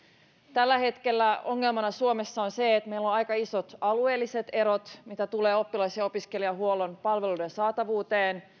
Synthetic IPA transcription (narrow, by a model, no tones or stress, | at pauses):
t̪ælːæhe̞t̪k̟e̞lːæo̞ŋːe̞lmɑnɑsuome̞sːɑonse̞ːt̪me̞ilːonɑjkɑisot̪ɑlue̞ːlːise̞t̪e̞ɾot̪mit̪æt̪uleːo̞pːilɑjseo̞piske̞liɑɦuolo̞npɑlʋe̞ludensɑːt̪ɑʋuːt̪eːn